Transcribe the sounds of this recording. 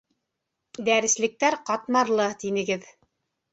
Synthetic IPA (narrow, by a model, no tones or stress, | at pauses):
d̪æɾɘ̆slɘ̆k̚t̪æɾqɑt̪mɑɾlˠɤt̪inɘ̆ɡɘð